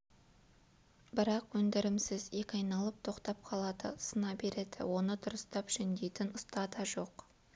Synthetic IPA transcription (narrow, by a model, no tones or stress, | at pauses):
bɪɾɑqwɵnd̪ɪɾɪmsɪzje̞kʲɑjnɑlˠəp̚t̪ʰo̞qt̪ɑp̚qʰɑlˠɑd̪əsənɑbe̞ɾe̞d̪̥ɪ̰wo̞nəd̪ʊɾəst̪ɑpʒɪnd̪e̞jt̪ɪnʊst̪ɑd̪ɑʒo̞q